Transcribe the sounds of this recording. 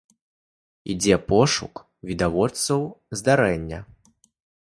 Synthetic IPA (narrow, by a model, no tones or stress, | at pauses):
ḭd͡zʲɛpɔʂṵk | vʲid̪avɔt̪sɐwzd̪aɾɛnʲːɐ̰